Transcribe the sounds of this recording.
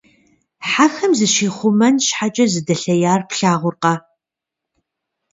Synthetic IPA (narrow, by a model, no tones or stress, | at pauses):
ħaxɐmzɨʃiːχʷʊmɐnʃħat͡ʃʼɐzɨdɐɬɐjaːrpɬaːʁʷʊrqɐ